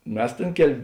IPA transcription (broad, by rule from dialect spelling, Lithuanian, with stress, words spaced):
ˈmʲɛs ˈtʲeːn ˈkʲɛlʲ